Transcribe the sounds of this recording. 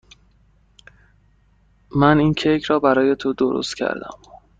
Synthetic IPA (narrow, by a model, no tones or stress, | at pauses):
mæniːncʰejkʰɾɒːbæɾɒːje̞t̪ʰod̪oɾo̰st̪cʰæ̰ɾd̪æ̰m